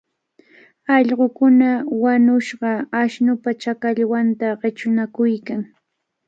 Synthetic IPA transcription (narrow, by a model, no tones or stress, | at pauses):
ɑʎɢokʊnawanʊʃɢɑaʃnʊpat͡ʃakaʎwant̪aɢɪt͡ʃʊnakʊjkaŋ